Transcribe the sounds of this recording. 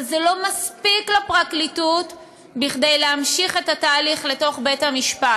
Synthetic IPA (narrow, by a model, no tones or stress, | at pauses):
zelo̞maspiklapʁaklitut | biχd̪ejleamʃiχe̞tataːliχle̞to̞χbethamiʃpat